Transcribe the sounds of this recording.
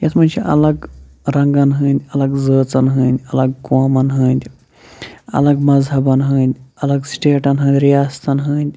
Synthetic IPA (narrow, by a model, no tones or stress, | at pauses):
jɐt̪mɐnʲt͡ʃʰiʔɐ̰lɐɡ | ɾɐŋɡɐnɦɨ̃ːnd̪ʲɐlɐɡzəːt͡sɐnɦɨ̃ːnd̪ʲɐlɐɡ̚koːmɐnɦɨ̃ːnʲd̪ʲ | ɐ̰lɐɡmɐzɦɐbɐnɦɨ̃ːnd̪ʲɐlɐɡsʈeːʈɐnɦɨ̃ːnd̪ʲɾijaːst̪ɐnɦɨːnd̪ʲ